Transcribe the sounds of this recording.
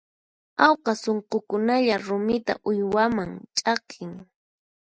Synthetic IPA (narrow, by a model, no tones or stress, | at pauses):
awqɑsoɴqokʊnaʎaɾʊmɪt̪a̰ʔʊjwamaŋt͡ʃʼɑqʰɪŋ